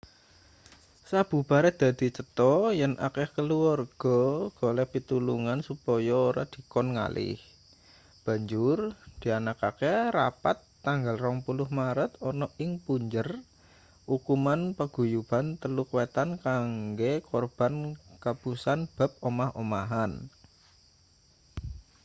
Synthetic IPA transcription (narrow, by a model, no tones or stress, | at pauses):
sab̥ṳb̥aɾɛd̪̥a̤d̪̥i̤t͡ʃət̪ɔjənʔa̰kɛhkəluɔrɡ̥ɔɡ̥ɔlɛhpit̪uluŋansupɔjɔoɾa̰d̪̥i̤kɔnŋa̰lʔɪ̰h | b̥a̤ɲd͡ʒʊrd̪̥i̤anakakɛrapat̪ːaŋɡalrɔŋpulʊhmaɾət̪ɔnɔʔɪŋpuɲd͡ʒər | ukumanpəɡ̥ṳjubant̪əlukwet̪ankaŋɡekɔrb̥a̤nkapusanb̥a̤p̚omahomaɦan